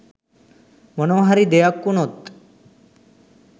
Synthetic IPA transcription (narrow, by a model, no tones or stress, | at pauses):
mɔnoɦaɾid̪ejakːunot̪